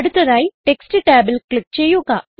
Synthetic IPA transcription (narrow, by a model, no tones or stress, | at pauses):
ɽut̪ɐɾaːjʈeksʈʈaːbəlklik̚t͡ʃejoːkaː